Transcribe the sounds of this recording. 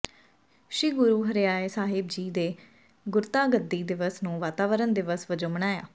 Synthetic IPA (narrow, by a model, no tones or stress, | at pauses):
ʃiːɡʊɾuːɦəɾjaːeːsaːɦɪbd͡ʒiːd̪eː | ɡʊɾt̪aːɡəd̪ːiːd̪ɪʋəsnũːʋaːt̪aːʋəɾənd̪ɪʋəsʋəd͡ʒõːməɳaːja̰ː